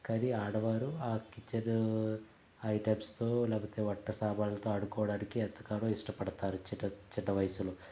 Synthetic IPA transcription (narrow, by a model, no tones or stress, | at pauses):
kɐɾiaːɽɐʋaːɾuaːkit͡ʃːɐɾ | ɐjʈeːbst̪o̞ːlɛːpɐt̪e̞ːʋɔʈːɐsaːbaːlɐt̪o̞ːɐɽukɔːʋɐɽaːnikiɛɐt̪ːɐkaːɾoːiʂʈɐpɐɽɐt̪aːɾut͡ʃiʈɐt͡ʃɛd̪ːɐʋɐjɐsulo